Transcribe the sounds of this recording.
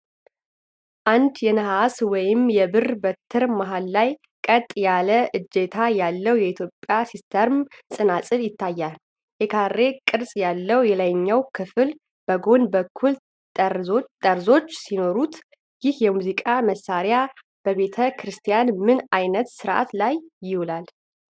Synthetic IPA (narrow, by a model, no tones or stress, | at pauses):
ʔand̪jɛnəhaswɔjɪmjɛbɨrbət̪ʰːɨɾmaɦalːaj | kʼət̪ʼjaləʔɨd͡ʒːet̪ʰajalːəwjɛit̪ʰjopʼːjasist̪ʰəɾmsʼɨnasʼɨljɪt̪ʰːajːal | jɛkʰarːe̞kʼɨɾsʼjalːəwjɛləɲːawkʰɨfɨl | b̥əɡo̞nbəkʰːul | t̪ʼəɾzo̞t͡ʃːsino̞ɾut̪ | jɪhjɛmuzikʼaməsːaɾja | b̥əbe̞t̪ʰəkʰɾɨst̪ʰijanmɨnajnət̪sɨɾʔa̰t̪lajːɪhulal